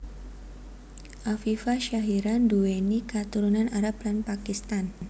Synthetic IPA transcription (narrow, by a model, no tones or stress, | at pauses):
ʔafifaʃaɦiɾanduenikat̪uɾunanaɾap̚lanpakist̪an